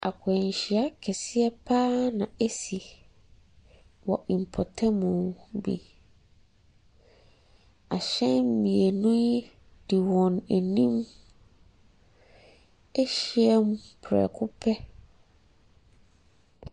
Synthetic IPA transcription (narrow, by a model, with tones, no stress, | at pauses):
a̰˨kʰʊ˨ɛ˨ɲ˨ɕi˨a˦kʰɛ˨sɪ˦ɛ˦pʰaː˦nã˨e˦si˨ | wɔ˨ʔĩ˨m˨pʰɔ˨tʰɛ˦mʊ̃˨bḭ˨ | a˨ɕɛ̃˦m̩˦mĩ˨e˨nũ˦ji˦ | d̥i˨wɔ̃˨næ˨nĩ˦m | ɛ˦ɕi˦ɛ˦mũ˦pʰɾɛ̰˨kʰʊ˦pʰɛ˦